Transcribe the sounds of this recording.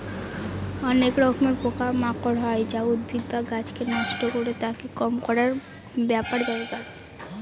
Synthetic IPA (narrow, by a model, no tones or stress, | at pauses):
ɔnekɾɔkʰmeɾpokamakoɾɦɔed͡ʑaud̪̚bʱid̪baɡat͡ɕkenɔʃʈokoɾet̪akekɔmkɔɾaɾ | bɛpaɾb̪aeɡa